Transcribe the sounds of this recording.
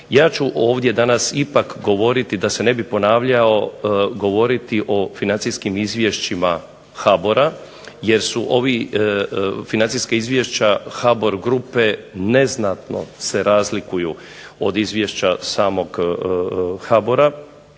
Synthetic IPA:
jaːt͡ʃuʔo̞ːʋd̪je̞d̪anasipakɡo̞ʋo̞ɾit̪id̪ase̞ne̞bipo̞naːʋʎao̞ɡo̞ʋo̞ɾit̪iʔo̞finansiskimizʋʲje̞ʃt͡ɕima | xabo̞ɾa | je̞ɾsuʔo̞ʋi | finansiskeizʋje̞ʃt͡ɕaxabo̞ɾɡɾupe̞ne̞znat̪no̞̰se̞ɾaːzlikuju | o̞̰d̪izʋje̞ʃt͡ɕasaːmo̞ɡ | xabo̞ɾa

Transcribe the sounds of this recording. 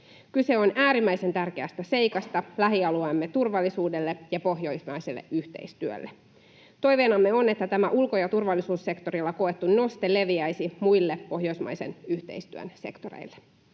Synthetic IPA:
kyse̞o̞næːɾimːæjse̞nt̪ærk̟eæst̪æse̞jkɑst̪ɑlæɦiɑluɑmːet̪urʋɑlːisuːdelːejɑpo̞ɦjo̞ismɑjselːḛʔyht̪e̞̰ist̪yø̰lːe | t̪o̞jʋeːnɑmːeo̞ne̞t̪ːæt̪æmæʔulkojɑt̪urʋɑlːisuːsːe̞kt̪o̞ɾilːɑko̞e̞t̪ːunno̞st̪ele̞ʋiæjsimujlːepo̞hjo̞ismɑ̰jse̞̰nyht̪e̞̰ist̪yø̰nse̞̰kt̪o̞ɾḛilːe

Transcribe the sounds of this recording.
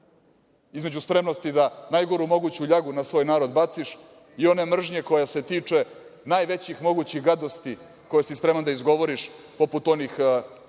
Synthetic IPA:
izme̞d͡ʑuspɾe̞mnost̪id̪anajɡo̞ɾumo̞ɡut͡ɕuʎaɡunasʋojnaːɾo̞d̪bat̪siʃ | io̞ne̞mr̩ʒɲe̞ko̞jase̞t̪iːt͡ʂe̞naːjʋe̞t͡ɕixmo̞ɡut͡ɕiɣɡad̪ost̪i | ko̞jesispɾe̞mand̪aizɡo̞ʋo̞ɾiʃ | po̞put̪o̞nix

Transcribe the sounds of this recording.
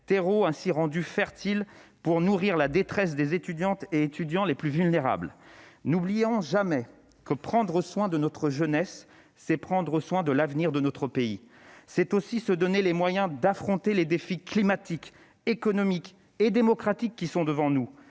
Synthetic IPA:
t̪eʁoɛ̃siʁɑ̃d̪yfɛʁt̪ilpuʁnuʁiʁlad̪et̪χɛs̬d̪ezet̪yd̪jɑ̃t̪eet̪yd̪jɑ̃leplyvylneʁa̰blnublijɔ̃ʒamɛ | kəpχɑ̃d̪ʁəswɛ̃d̪ənɔt̪χəʒənɛsː | ɛpχɑ̃d̪ʁəswɛ̃d̪əlavniʁd̪ənɔt̪χəpei | sɛt̪osisəd̪ɔnelemwajɛ̃d̪afχɔ̃t̪eled̪efiklimat̪ik | ekɔnɔmik | ed̪emɔkχat̪ikːisɔ̃d̪əvɑ̃nu

